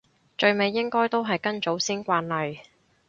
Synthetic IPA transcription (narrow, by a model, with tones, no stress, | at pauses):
t͡ʃɵ˧ɥme˨˧jːɪ˥ŋkɔː˥jt̪o˥wɦɐ˨jkɐ˥nt͡so˨˥wsiː˥nkʷaː˧nlɐ˨j